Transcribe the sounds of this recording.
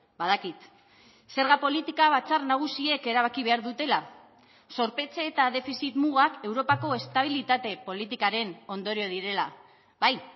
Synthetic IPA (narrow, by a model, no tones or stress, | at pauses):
baðakit̪ | se̞ɾɣapo̞lit̪ikaβ̞at͡sarnaɣ̞usie̞ke̞ɾaβ̞akiβe̞aɾðut̪e̞la | so̞ɾpe̞t͡seːt̪aðe̞fisit̪muɣake̞wɾo̞pako̞e̞st̪aβ̞ilit̪at̪e̞po̞lit̪ikaɾe̞no̞nd̪oɾio̞ðiɾe̞la | baj